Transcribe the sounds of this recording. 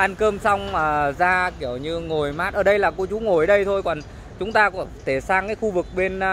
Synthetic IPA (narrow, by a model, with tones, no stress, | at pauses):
ʔaː˧nkəː˧msa˧wŋ͡maː˨˩zaː˧ki˧˩əwɲɨ˧ŋo˨˩jmaː˦˥t̚ʔəː˧˩ɗə˧jlaː˨˩ku˧ət͡ɕu˨˦ŋo˨˩jə˨˦ɗə˧jt̪ʰo˧jkɔ˨˩n | t͡ɕʊ˨˦ŋ͡mt̪aː˧kɔ˧˩t̪ʰe˧˩saː˧ŋkaː˨˦jxu˧vɨ˨˩k̚ɓe˧n